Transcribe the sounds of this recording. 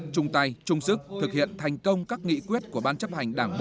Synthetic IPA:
t͡ɕʊ˧ŋ͡mt̪a˧jt͡ɕʊ˧ŋ͡msɨ˦˥k̚t̪ʰɨ˨˩k̚hḭ˧˨ənt̪ʰa˨˩jŋ̟kə˧wŋ͡mkaː˦˥k̚ŋḭ˧˥kwi˦˥ət̚ku˧˩əɓaː˧nt͡ɕə˦˥p̚ha˨˩jŋ̟ɗaː˧˩ŋɓo̰˧

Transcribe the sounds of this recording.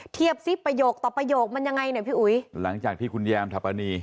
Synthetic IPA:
t̪ʰi˥˩əp̚si˦˥˩pːɾa˧joː˨˩k̚t̪ɔː˨˩pɾa˧joː˨˩k̚ma˧nja˧ŋːa˧jna˧˩pʰiː˥˩ʔu˩˦jla˩˦ŋt͡ɕaː˨˩t̪ʰiː˥˩kʰu˧njɛː˧mt̪ʰa˨˧˩pːa˧niː˧

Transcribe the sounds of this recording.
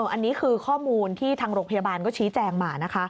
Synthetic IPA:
ʔɤː˧˩ʔa˧nːiː˦˥kʰɯː˧kʰɔː˥˩muː˧nt̪ʰiː˥˩t̪ʰaː˧ŋɾoː˧ŋpʰjaː˧baː˧nkɔː˥˩t͡ɕʰiː˦˥t͡ɕɛː˧ŋmaː˧˩na˦˥kʰa˦˥ʔ

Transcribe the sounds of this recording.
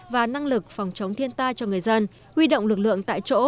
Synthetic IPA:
vaː˨˩na˧ŋlɨ˨˩k̚fa˨˩wŋ͡mt͡ɕə˨˦wŋ͡mt̪ʰi˧ənt̪aː˧jt͡ɕɔ˧ŋɨ˨˩əjzə˧n | hwi˧ɗo̰˧˨wŋ͡mlɨ˨˩k̚lɨ̰˧˨əŋt̪a̰ː˧˨jt͡ɕo̰˧˥

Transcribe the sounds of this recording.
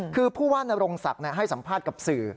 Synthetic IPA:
kʰɯː˧pʰuː˥˩waː˥˩na˧ɾo˧ŋsa˨˩k̚ni˥˩ɦa˥˩jsa˩˦mpʰaː˥˩t̪̚ka˨˩p̚sɯː˨˩

